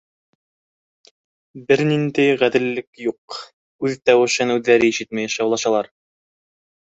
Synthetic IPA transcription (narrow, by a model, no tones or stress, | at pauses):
bɘɾnind̪æjʁæðɘ̆lːɘkjuq | ʉðt̪æwɘ̆ʃɘnʉðːæɾɘiʃɘt̪̚mæjʃɑwlˠɑʃɑlˠɑɾ